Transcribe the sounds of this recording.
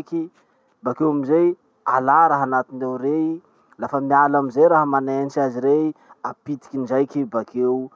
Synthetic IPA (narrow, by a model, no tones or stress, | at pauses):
ki | bakewamizej | alaɾaɦanat̪inewɾei | lafəmialamizejɾaɦəmanent͡ʃaziɾeiapit̪i̥kʲinizajkibakew